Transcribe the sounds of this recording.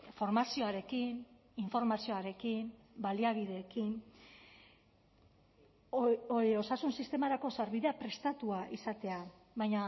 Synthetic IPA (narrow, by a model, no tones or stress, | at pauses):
fo̞ɾmasio̞aɾe̞kin | iɱfo̞ɾmasio̞aɾe̞kin | baliaβ̞ið̞e̞ːkin | oo̞sasunsist̪e̞maɾako̞saɾβiðe̞apɾe̞st̪at̪uaʔisat̪e̞a | βajɲa